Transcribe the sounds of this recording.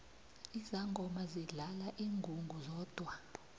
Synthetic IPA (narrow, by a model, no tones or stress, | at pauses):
izaŋɡʱɔmaziɮalaʔiːŋɡʱuŋɡʱuzɔːd̥ʱwa